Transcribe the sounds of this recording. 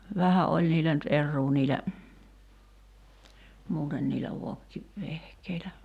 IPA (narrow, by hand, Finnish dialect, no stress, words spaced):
ʋæhæ ʔolʲ niːlæ nyt ʔerːuː niːlæ muːten niːlæ ʋokːi ʋehkeilæ